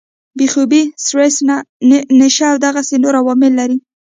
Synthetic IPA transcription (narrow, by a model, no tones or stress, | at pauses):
bexubisɾesnanɪʃaːwd̪aɣasenoɾawɑmɪlːaɾi